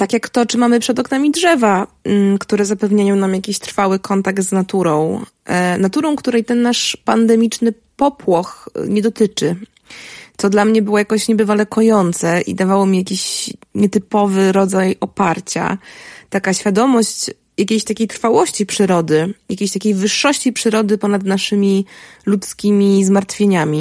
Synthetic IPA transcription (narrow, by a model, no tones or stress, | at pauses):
t̪akʲjakt̪ɔt͡ʂɘmamɘpʂɛd̪ɔknamʲidʐɛva | kt̪uɾɛzapɛvɲajɔ̃w̃namjakʲiɕt̪ɾfawɘkʰɔnt̪akt̪znat̪uɾɔ̃w̃ | nat̪uɾɔ̃w̃kt̪uɾɛjt̪ɛnːaʂpand̪ɛmʲit͡ʂnɘ | pɔpwɔxɲɛd̪ɔt̪ɘt͡ʂɘ | t̪sɔd̪lamɲɛbɘwɔjakɔɕɲɛbɘvalɛkɔjɔnt̪sɛʔḭd̪avawɔmʲijakʲiɕɲɛt̪ɘpɔvɘɾɔd̪zajɔpaɾt͡ɕa̰t̪akaɕfʲjad̪ɔmɔɕt͡ɕ | jakʲejɕt̪akʲejt̪ɾfawɔɕt͡ɕipʂɘɾɔd̪ɘjakʲejɕt̪akʲejvɘʂːɔɕt͡ɕipʂɘɾɔd̪ɘpɔnad̪naʂɘmʲilut̪skʲimʲizmaɾt̪fʲjeɲamʲi